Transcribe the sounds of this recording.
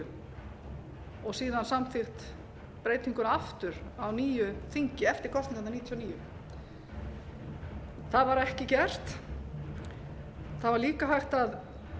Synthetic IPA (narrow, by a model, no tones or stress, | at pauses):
ɔɣsiːðansamθɪxt̪ | pɾeːjt̪niŋkʏnaaft̪ʏɾawniːjʏθiɲcɪɛft̪ɪɾ̥kʰɔst̪niŋkananiːt̪ʰjɔniːjʏ̰ | θaðvaɾɛhcɪcɛr̥t̪ | θaðvaɾliːkaɦajxt̪að